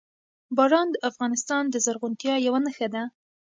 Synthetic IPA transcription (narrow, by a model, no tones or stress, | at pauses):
bɑɾɑnd̪əʔafɣɑnɪst̪ɑnd̪əzaɾɣʊnt̪jɑjawanəxad̪a